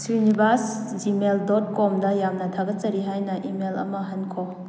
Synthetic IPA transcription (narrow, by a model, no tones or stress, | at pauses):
sunibas | d͡ʒimeldɔt̚kɔmdɐjamnɐtʰaɡɐt̚t͡ʃɐɾiɦajnɐʔimelɐ̰mɐɦɐnkʰo